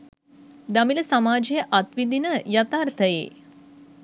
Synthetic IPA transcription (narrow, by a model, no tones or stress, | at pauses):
d̪amiləsamaːd͡ʒejəʔat̪ʋid̪inəjat̪aːrt̪ʰəjḛː